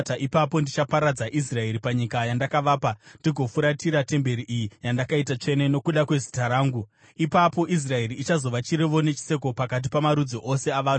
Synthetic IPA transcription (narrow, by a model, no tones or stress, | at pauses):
taʔipapo̞ndit͡ʃapaɾad͡zaʔis̬rae̞ɾipaɲikajandakaʋaːpandiɡʱo̞fuɾatiɾate̞mbe̞ɾiʔijijandakaitat͡ʂe̞neno̞kuɗakwe̞zi̥taɾaːŋɡu | ipapo̞ʔis̬rae̞riːt͡ʃazo̞ʋat͡ʃiɾeʋo̞ne̞t͡ʃi̥se̞k̬o̞pakat̬ipamaɾud͡zoʔo̞se̞aʋaːn